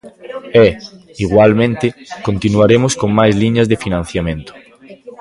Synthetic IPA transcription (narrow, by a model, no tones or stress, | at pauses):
ɛ | iɣwalmẽnt̪ekont̪inuaɾemoskoŋmajzliɲazðefinãnθjamẽnt̪o̥